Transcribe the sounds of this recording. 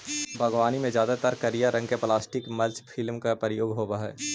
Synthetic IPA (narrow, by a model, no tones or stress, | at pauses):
bʱɐɡʋaːnimẽzjaːd̪at̪əɾkɐɾijaɾɐ̃ŋɡkeplaːsʈɪkmɐlt͡ʃpʰɪlmkapɾəjoːɡɦoːbaɦɛ̰ː